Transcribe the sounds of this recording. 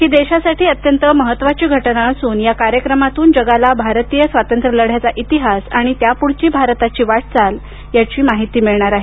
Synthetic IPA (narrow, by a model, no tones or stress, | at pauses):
kiːd̪eɕasaʈʰiːət̪jənt̪əməɦət̪ːʋat͡ɕiːɡʱəʈnaəsuːnjakaɾjəkɾəmat̪uːnd͡ʑəɡalabʱaɾt̪iːjəsʋat̪ənt̪ɾələɽ̤jat͡saʔit̪iɦasaɽ̃it̪japuɽ̤t͡ɕiːbʱaɾt̪at͡ɕiːʋaʈ̚t͡sal | jat͡ɕiːmaɦit̪iːmiɭɳ̃aɾaɦe